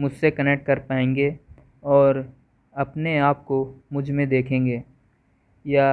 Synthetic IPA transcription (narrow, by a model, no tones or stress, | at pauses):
mʊd͡ʒʱsekɐnek̚ʈ̚kɐɾpaːẽːŋɡeː | ɔːɾ | ɐpneaːp̚komʊd͡ʒʱmẽd̪eːkʰẽːŋɡeː | ja